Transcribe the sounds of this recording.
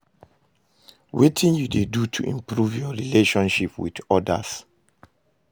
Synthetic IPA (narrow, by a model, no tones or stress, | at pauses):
wetʰĩnjudedutʰuʔḭ̃mpɹuvjɔɹileʃɔ̃nʃipwḭdɔda̰s